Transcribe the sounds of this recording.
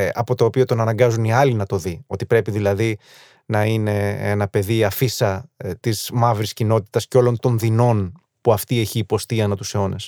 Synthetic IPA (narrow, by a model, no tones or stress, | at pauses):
ɐ̰po̞t̪o̞ːpio̞t̪o̞nɐnɐŋɡɐzuniɐlinɐt̪o̞ðio̞t̪ipɾe̞piðilɐði | nɐine̞enɐpe̞ðiɐfisɐt̪izmɐvɾiscino̞t̪i̥t̪ɐsceo̞lo̞nt̪o̞nðino̞n | puɐft̪ie̞çiːpo̞st̪iɐnɐt̪useo̞nes